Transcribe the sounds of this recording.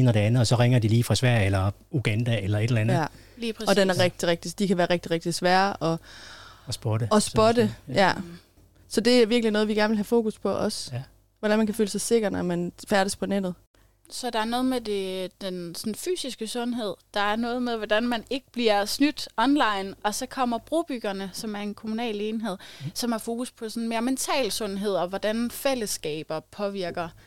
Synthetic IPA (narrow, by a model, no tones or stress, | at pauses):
nɐɾe̝ænð̩ˠɒ̽sɒ̽ʁeŋɐd̥iliːfʁɑ̈sʋæɐ̰jelɐ | uɡ̥ænd̥æelɐe̝d̥elæn̩æ | liːpʰʁsɒ̽d̥enæɐʁeɡ̥̚d̥iʁeɡ̥̚d̥isd̥ikʰæʋæːɐʁeɡ̥̚d̥iʁeɡ̥̚d̥isʋæːɐʔɒ̽ | sb̥ɔd̥əɒ̽sɒd̥əjæ | sɒ̽d̥e̝æʋiɐɡ̥linɔ̽ːðˠʋiɡ̥æɐnʋelhæfo̝̰ːkuspʰɒ̽ʔɒ̽s | ʋɒɾ̥ænmænkʰæføːləsɑ̈ɪse̝ɡ̥ɐd̥æmænfæɐɾ̥əspʰɒ̽ned̥ð̩ˠ | sɒ̽d̥ɑ̈æɐnɔ̽ːð̩ˠmed̥e̝d̥ensɒ̽nfy̰ːsisɡ̥əsɔ̽nɦe̝ð̰ˠd̥ɑ̈æɐnɔ̽ːð̩ˠmeðˠʋɒd̥ænmæne̝ɡ̥əb̥liɐsnyd̥ɒ̽nlɑ̈ɪnɒ̽sɒ̽kʰɒ̽m̰ɐb̥ʁub̥yɡ̥ɐnəsɒ̽mæɐe̝nkʰo̝munɛ̰ːle̝ːnɦe̝ð̞̰ˠsɒ̽mhɑ̈fo̝ːkuspʰɒ̽sɔ̽n̩me̝ːɐment͡sʰɛ̰ːlsɔ̽nɦe̝ð̞̰ˠɒ̽ʋɒd̥ænfel̰əsɡ̥ɛ̰ːb̥ɐpʰɒ̽ʋiɐɡ̥ɐ